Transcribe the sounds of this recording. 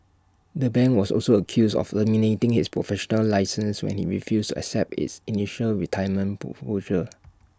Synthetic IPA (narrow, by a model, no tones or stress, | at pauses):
dəbɛ̃nwɔsɔ̰lsoəkʰjusɔ̰fəminetɪ̃ŋhispʰɹɔfɛʃɔnəlːaɪsə̃nswɛ̰̃nhḭɹifjustuɛ̰ksɛp̚tɪ̰tsiniʃəlɹitʰaɪəmə̃nod͡ʒə